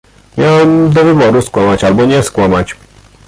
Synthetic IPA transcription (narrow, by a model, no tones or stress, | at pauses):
mʲjawɛmd̪ɔvɘbɔɾuskwamat͡ɕalbɔɲɛskwamat͡ɕ